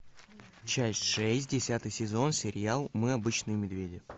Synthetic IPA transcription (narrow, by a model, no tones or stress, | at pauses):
t͡ɕæsʲtʲʂɛsʲt̚ʲdʲɪsʲat̪ɨjsʲɪzo̞nsʲɪɾʲɪalˠmɨɐbɨt͡ɕnɨjmʲɪd̪vʲedʲɪ